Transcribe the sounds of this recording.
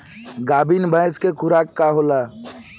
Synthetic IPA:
ɡaːbinbʱəjskekʰʊɾaːkːaɦolaː

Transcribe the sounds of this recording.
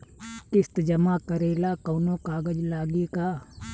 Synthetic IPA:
kɪst̪d͡ʒəmakəɾeːlaːkoːnõːkaːɡəd͡ʒlaːɡikaː

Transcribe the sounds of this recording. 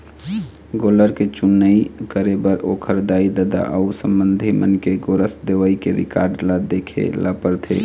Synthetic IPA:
ɡoləɾket͡ʃunːəikəɾebəɾokʰəɾd̪aːid̪əd̪a̰ʔəusə̃mbənd̪ʱimənkeɡoɾəsd̪eʋəikeɾɪ̰ka̰ːɾɖlad̪ekʰḛlapəɾt̪ʰḛ

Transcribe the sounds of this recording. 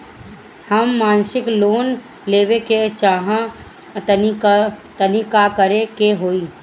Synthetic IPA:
həmːaːnsɪkloːn | leːʋeket͡ʃaːɦã | nikt̪ənikakəɾekeɦoːiː

